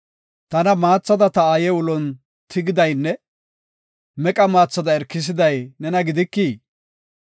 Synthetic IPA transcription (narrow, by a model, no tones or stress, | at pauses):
t̪ɐnɐmaːt͡sːɐd̪ɐt̪ɐaːjɛwʊlɔn | t̪ʰɪɡɪd̪ɐjnːɛ | mɛkʼɐmaːt͡sːɐd̪ɐɛɾkːɪs̬ɪd̪ɐjnɛnɐɡɪd̪ɪkːiː